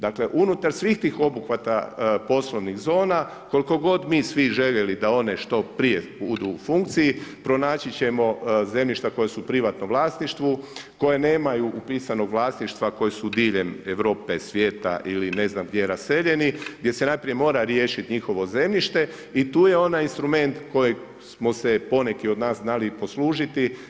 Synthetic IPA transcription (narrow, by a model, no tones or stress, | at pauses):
d̪akle̞ʔunut̪aɾsʋixt̪iːxo̞buxʋat̪apo̞sloʋnixzo̞ːna | ko̞liko̞ɡo̞d̪miːsʋiʒe̞ʎelid̪ao̞ne̞ʃt̪opɾijebud̪uːfuŋk̚t̪sijipɾo̞naːt͡ɕit͡ɕe̞mo̞ze̞mʎiʃt̪ako̞jesupɾiʋat̪noʋlˠaːst̪niʃt̪ʋuko̞jeneːmajuʔupiːsano̞ɡʋlˠaːsniʃt̪ʋako̞jesud̪iːʎe̞meʋɾo̞ːpe̞sʋje̞ːt̪a̰ʔiline̞znamɡd̪jejeɾase̞ʎe̞niɡd̪ʲje̞se̞najpɾije̞mo̞ːɾaɾjeːʃit̪ɲixo̞ʋo̞ze̞mʎiʃt̪e̞ | it̪uːje̞o̞najinst̪ɾume̞nt̪ko̞ji | smo̞se̞po̞nekio̞d̪naːsznalipo̞sluːʒit̪i